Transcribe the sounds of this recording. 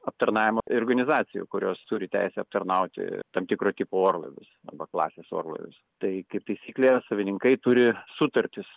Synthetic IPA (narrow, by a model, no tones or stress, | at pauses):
ɐp̚t̪ɐɾnɑːʋʲɪmoorɡɐnʲɪzɑːt̪t͡s̪ʲɪjṵːkʊɾʲoːst̪ʊɾʲɪt̪ʲæ̰ɪsʲɛɐp̚t̪ɐrnɐʊt̪ʲɪ̰t̪ɐmt̪ʲɪkɾoːt̪ʲɪpooːrlˠɐ̰ʋʲʊ̰sɐ̰bɐklˠɑ̰ːsʲeːso̰ːrlˠɐ̰ʋʲʊ̰st̪ɐɪkɐɪpt̪ɐɪsʲiːklʲesɐʋʲɪnʲɪŋkɐɪt̪ʊɾʲɪsʊt̪ɐɾʲt̪ʲɪs